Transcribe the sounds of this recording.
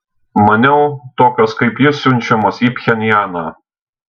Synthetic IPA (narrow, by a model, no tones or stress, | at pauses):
mɐnʲɛʊt̪oːkʲoskɐɪpjɪssʲʊnʲt͡ʃʲɛmoːsiːpʲxʲɛnʲjæːnɑː